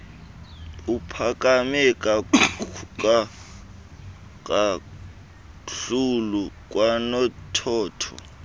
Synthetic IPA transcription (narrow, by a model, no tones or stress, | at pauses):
upʰakʼamɛkʼa | ka | kʼa | ɬuluk̬ʼwanɔtʰɔːtʰɔ̰